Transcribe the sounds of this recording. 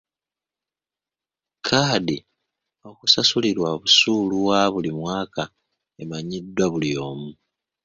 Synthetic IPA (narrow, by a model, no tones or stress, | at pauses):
kʰaːdi | o̞kusasuliɾwaβusuːluwaβulimwaːka | emaɲidːwaβulio̞ːmu